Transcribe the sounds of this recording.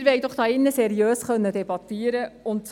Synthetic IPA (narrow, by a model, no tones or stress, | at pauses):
ɾʋɛjd̪ɔχd̥̪ɑːɪnːəsɛɾiøːsχœnːədɛbɑt̪ːiːəɾəʊnts